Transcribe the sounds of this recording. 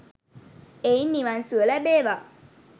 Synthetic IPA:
einːiʋansuəlɛbeːʋa

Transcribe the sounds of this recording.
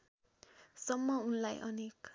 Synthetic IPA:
sʌmːʌunlajʔʌnek

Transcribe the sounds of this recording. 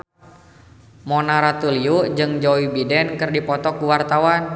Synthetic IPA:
mɔnaɾat̪uliud͡ʒɨŋd͡ʒoibidɛnkɨrdipɔt̪ɔkuwart̪awan

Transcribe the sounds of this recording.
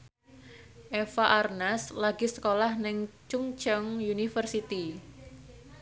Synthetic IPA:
ʔefaʔarnaslaɡ̥i̤səkolahnɪŋt͡ʃuŋt͡ʃəŋjunifərsit̪i

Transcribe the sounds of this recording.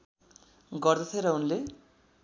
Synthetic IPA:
ɡʌrd̪ʌt̪ʰeɾʌunle

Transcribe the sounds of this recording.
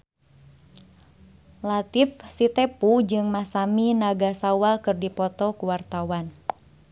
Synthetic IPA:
lat̪ifsit̪ɛpud͡ʒɨŋmasaminaɡasawakɨrdipɔt̪ɔkuwart̪awan

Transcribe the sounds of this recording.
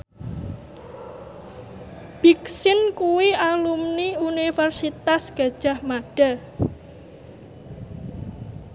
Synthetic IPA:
b̥iksɪnkuwiʔalumniunifɛrsit̪asɡ̥ä̤̥ʒ̥a̤hmaɖ̥a̤

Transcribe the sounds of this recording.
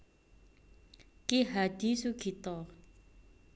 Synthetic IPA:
keɦad̪isukʰit̪ɔ

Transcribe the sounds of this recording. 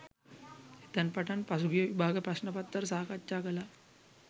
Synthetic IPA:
et̪anpaʈanpasuɡijəʋibʱaːɡəpɾasnəpat̪ːəɾsaːkatːt͡ʃaːkəla

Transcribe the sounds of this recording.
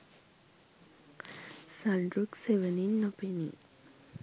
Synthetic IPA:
sanɖɾukseʋəninːɔpenḭ

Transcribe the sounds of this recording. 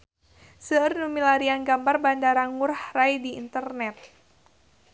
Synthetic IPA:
sərnumilaɾianɡambarbandaɾaŋurhrajdḭːnt̪ərnɛt̪̚

